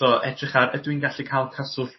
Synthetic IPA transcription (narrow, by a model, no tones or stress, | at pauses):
ɔʔɛdrɪχaɾədwinɡaɬikʰajlˠkʰasʊɬ